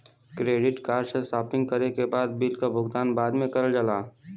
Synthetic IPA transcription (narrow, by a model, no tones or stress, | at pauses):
kɾeːɖɪʈkaːɾsesaːpɪ̃ŋɡ̚kəɾekebaːd̪̚bilkabʱʊɡt̪aːnbaːd̪mẽkɐɾəld͡ʒəlaː